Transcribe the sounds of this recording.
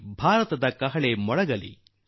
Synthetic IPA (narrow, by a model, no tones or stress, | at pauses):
bʱaːɾɐt̪ɐd̪ɐkɐɦɐɭemɔɭɐɡɐlḭ